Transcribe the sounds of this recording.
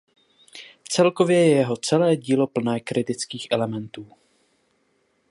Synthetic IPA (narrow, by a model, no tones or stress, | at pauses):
t͡sɛlko̞vjɛjɛjɛɦo̞t͡sɛlɛːɟiːlo̞pl̩nɛːkɾɪt̪ɪt͡skiːxʔɛlɛmɛnt̪uː